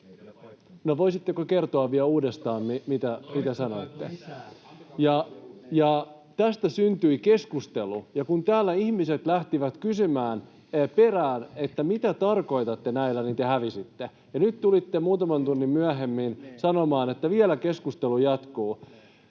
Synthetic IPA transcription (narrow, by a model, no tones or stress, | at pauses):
noʋoisit̪ːekoke̞rt̪oɑʋːiæuːdest̪ɑːmmimit̪æmit̪æsɑno̞it̪ːe | jɑjɑ | t̪æst̪æsynt̪yike̞skust̪elujɑkunt̪æːlːæihmiset̪læht̪iʋæt̪kysymæːn | pe̞ræːnet̪ːæmit̪æt̪ɑrko̞it̪ɑt̪ːenæilːænint̪ehæʋisit̪ːe | jɑnyt̪t̪ulit̪ːemuːt̪ɑmɑnt̪unːimmyæɦemːinsɑnomɑːnet̪ːæʋiælæke̞skust̪elujɑt̪kuː